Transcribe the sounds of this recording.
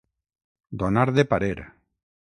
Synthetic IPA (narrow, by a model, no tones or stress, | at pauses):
d̪onaɾðepaɾeɾa̰